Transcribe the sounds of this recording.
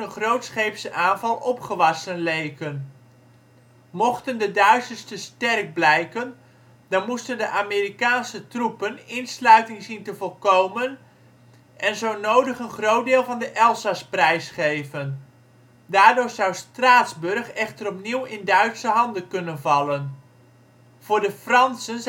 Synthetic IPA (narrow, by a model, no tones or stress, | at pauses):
ənχrowtsχejpsəʔaːnvɑlˠʔɔpχəʋɑsənlejkən | mɔχtəndədœɥsəstəstɛrk̚blɛjkən | d̥ɑnmustəndəʔaːmeːɾikaːnsətrupənɪnslœɥtɪŋzintəvɔlˠkowmən | ʔɛnzownowdəχənχrowt̚dɪːlˠvɑndəʔɛlˠsasprɛjsχejvən | daːɹdʊːɹzawstraːtzbɵrχɛχtərɔpniwɪndœɥtsəɦɑndənkɵnənvɑlən | v̥ʊːɹdəfrɑnsən